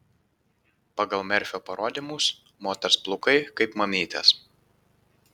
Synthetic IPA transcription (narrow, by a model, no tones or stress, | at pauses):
pɐɡɐlˠmʲɛɾʲfʲoːpɐɾoːd̪ʲimʊs | moːt̪ʲɛɾsplˠʊkɐɪkɐɪpmɐmʲiːt̪ʲɛ̰s